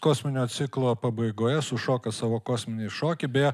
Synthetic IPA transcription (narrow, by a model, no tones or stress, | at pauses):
koːsʲmʲɪnʲoːt̪sʲɪklˠoːpɐbɐɪɡoːjɛsʊʃoːkɐsɑːʋoːkoːsʲmʲɪnʲɛɪʃoːkʲɪbʲe